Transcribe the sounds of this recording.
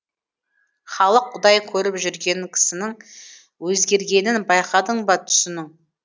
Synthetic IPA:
χɑlˠəqʰːʊd̪ɑjkʲʰɵɾɪpʒʏɾɡʲe̞ŋkʲʰɪ̥sɪnɪŋ | wɵzɡʲe̞ɾɡʲe̞nɪnbɑjqɑd̪əɴbɑt̪ʰʏ̥sɪnɪŋ

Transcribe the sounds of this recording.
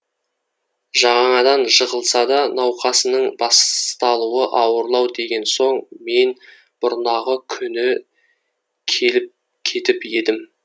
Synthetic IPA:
ʒɑʁɑɴɑd̪ɑnʒəʁəlˠsɑd̪ɑnɑwqɑsənəɴbɑst̪ɑlˠuəʔɑwəɾlˠɑwd̪e̞ɡʲe̞nso̞ɴme̞n | b̥ʊɾnɑʁəkʲʰʏnɪ | kʲʰe̞lɪp̚ | kʲʰe̞t̪ɪpe̞d̪ɪm

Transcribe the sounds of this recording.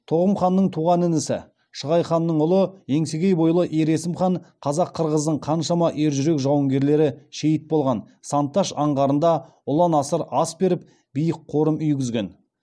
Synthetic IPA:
t̪ʰo̞ʁəmχɑnːəɴt̪ʰuʁɑnɪnɪsɪ̰ | ʃəʁɑjχɑnːəɴʊlˠəe̞ŋseɡʲe̞jbo̞jlˠəʔeɾe̞sɪmχɑɴqʰɑzɑqʰːəɾʁəzd̪əɴqʰɑnʃɑmɑʔeɾʒʏɾe̞kʒɑwəŋɡʲe̞ɾle̞ɾɪʃe̞jɪt̪̚bo̞lˠʁɑn | sɑnt̪ːɑʃɑɴʁɑɾənd̪ɑ | ʊlˠɑnɑsəɾɑsbe̞ɾɪp̚ | b̥ijəqʰːo̞ɾəmʏjɡʲɪzɡʲe̞n

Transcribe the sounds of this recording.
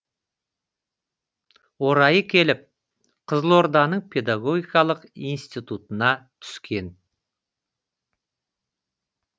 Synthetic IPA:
wo̞ɾɑjəkʲʰe̞lɪp̚ | qʰəzəlˠo̞ɾd̪ɑnəɴpʰe̞d̪aɡo̞ɡʲijkɑlˠəqijnst̪ijt̪ut̪ənɑt̪ʰʏ̥skʲe̞n

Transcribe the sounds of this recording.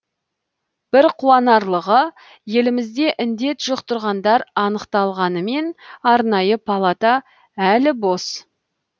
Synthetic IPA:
b̥ɪɾqʰuɑnɑɾlˠəʁə | je̞lɪmɪzd̪e̞ʔɪnd̪e̞t̪ʒʊqt̪əɾʁɑnd̪ɑɾɑnəqt̪ɑlˠʁɑnəme̞nɑɾnɑjəpʰalˠat̪ɑ | ælɪbo̞s

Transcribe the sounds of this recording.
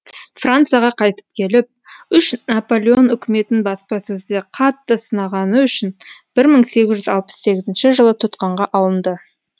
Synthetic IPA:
frant̪sɨjaʁɑqʰɑjt̪ə̥p̚kʲʰe̞lɪp̚ʏʃnapo̞lʲˠeo̞nʏkʲɪme̞t̪ɪnbɑspɑsɵzd̪e̞qʰɑt̪ːəsənɑʁɑnəʏʃɪnb̥ɪɾməɴse̞ɡʲɪzʒʏzɑlˠpə̥sːe̞ɡʲɪzɪnʃɪʒəlˠət̪ʰʊt̪qɑɴʁɑʔɑlˠənd̪ə

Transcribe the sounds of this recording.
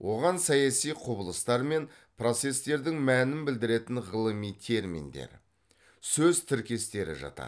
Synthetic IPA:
wʔo̞ʁɑnsɑjɑsijqʰʊbəlˠəst̪ɑɾme̞n | pro̞t̪se̞st̪e̞ɾd̪ɪŋmænɪnbɪld̪ɪɾe̞t̪ɪnʁəlˠəmijt̪ʰe̞ɾmḭnd̪e̞̰ɾ | sɵzt̪ʰɪɾkʲe̞st̪e̞ɾɪ̰ʒɑ̰t̪ɑ̰

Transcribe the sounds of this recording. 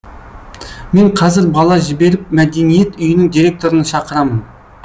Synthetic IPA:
me̞ɴqʰɑzɪɾbɑlˠɑʒɪbe̞ɾɪp̚mæd̪e̞nije̞t̪ʏjɪnɪŋd̪iɾʲe̞k̚t̪o̞ɾənɑʃɑqəɾɑmən

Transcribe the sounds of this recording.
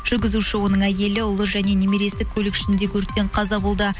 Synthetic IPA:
ʒ̥ʏɾɡʲɪzuʃɪwo̞nəɴæje̞lɪʊlˠəʒæne̞nemeɾe̞st̪ɪkʲʰɵlɪkɪ̥ʃɪnd̪ekʲʰɵɾt̪ːe̞ɴqʰɑzɑbolˠd̪ə

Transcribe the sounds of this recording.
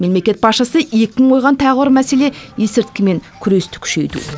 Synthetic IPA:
me̞mle̞kʲe̞t̪̚bɑsʃəsəe̞kʲɪɪŋʰo̞jʁɑnt̪ʰæʁəwəɾmæse̞le̞esɪɾt̪kʲɪme̞ŋkʲʰʏɾe̞st̪ɪ̥kʲʰʏ̥ʃe̞̰jd̪ṵ

